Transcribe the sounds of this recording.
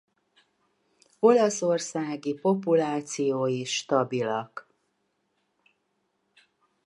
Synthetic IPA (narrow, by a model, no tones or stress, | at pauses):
o̞lɒso̞rsaːɡipo̞pulaːt̪sijoːjiʃt̪ɒbilɒk